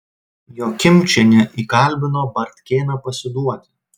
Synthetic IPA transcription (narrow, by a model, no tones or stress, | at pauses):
joːkʲɪmʲt͡ʃʲɛnʲɪʔiːkɐlʲbʲɪnoːbɐɾʲt̪ʲkʲeːnɐpɐsʲɪd̪uɔt̪ʲ